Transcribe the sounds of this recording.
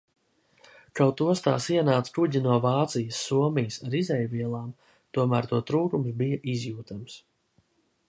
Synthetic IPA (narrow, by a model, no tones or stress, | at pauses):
kawt̪uɔst̪a̰ːsiɛnaːt̪skuɟinuɔvaːt̪sijəsːuɔmijəsaɾizɛjviɛlˠaːm | t̪uɔmæːɾt̪uɔt̪ɾuːkums̬bijɐʔizjuːt̪ams